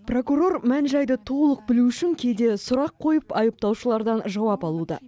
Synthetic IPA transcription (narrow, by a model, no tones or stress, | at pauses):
pro̞kuro̞rmænʒɑjd̪ət̪ʰo̞lˠəq̚bɪluʏʃɪŋkʲʰe̞d̪e̞sʊɾɑqʰːo̞jəpɑjəp̚t̪ɑwʃəlˠɑɾd̪ɑnʒɑwɑpɑlˠud̪ə̰